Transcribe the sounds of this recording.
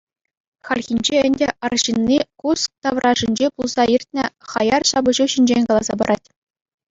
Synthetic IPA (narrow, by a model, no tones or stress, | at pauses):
χɑlʲxʲinʲd͡ʑeɘ̆nʲdʲeʔɑrɕinʲːikusk̚t̪ɑʋrʔɑʐɘ̆nʲd͡ʑepulˠz̥ɑirʲtʲnʲɘ̆χɑjɑrɕɑbɤ̆ʑuɕinʲd͡ʑenʲkɑlˠɑzɑbɤ̆ɾʔɑtʲ